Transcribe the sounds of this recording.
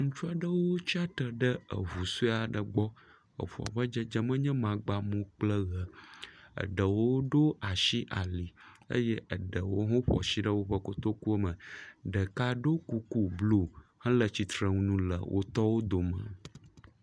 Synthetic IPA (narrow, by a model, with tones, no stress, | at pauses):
ŋũ˦t͡ʃu˦a˨ɖə˦wo˦t͡ʃi˦a˦t̪ə˨ɖə˦ə̰˨vu˨su˦a˨ɖə˨ɡ͡bɔ˦ | ə̰˨ɸu˨a̰˨ɸə˦d͡ʒə˦d͡ʒə˦mə̃˦ɲɛ̃˦mã˨ɡ͡ba˦mõ˦k͡plə˦ɣə˨ə̰˨ɖə˨wo˦ɖo˦a˨ʃi˦ʔa̰˨li˨ | ə̰˦jɛ˦ʔə˨ɖə˨wo˦ɦõ˦ɸɔ̰˨si˦ɖə˦wo˦ɸə˦ko˦t̪o˦ku˦ə˦mə̃˨ɖə˨ka˦ɖo˦ku˦ku˦blu˦hɛ̃˦lə˨t͡ɕi˨t̪ɾə˨ŋũ˦nũ˦lə̰˨wʔo̰˦t̪ɔ˦wo˦d̪o˨mə̰̃˨